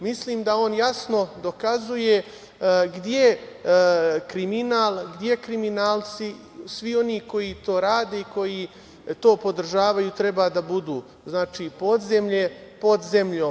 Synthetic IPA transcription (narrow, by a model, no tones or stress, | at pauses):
misliːmd̪ao̞ːnjasno̞d̪o̞kazuje̞ | ɡd̪je | kɾiminaːlˠɡd̪je̞kɾiminaːlt̪si | sʋio̞niːko̞jit̪o̞ːɾaːd̪e̞iko̞ji | t̪o̞ːpo̞d̪r̩ʒaːʋajuːt̪ɾe̞baːd̪abud̪uː | znaːt͡ʃiːpo̞d̪zemʎe̞po̞d̪ze̞mʎoː